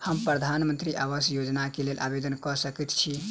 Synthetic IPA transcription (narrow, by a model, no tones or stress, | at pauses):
həmpɾəd̪ʱanmənt̪ɾiʔaβəsjod͡ʒnakelelʔabed̪ənkɔsəkɛt̪t͡ʃʰi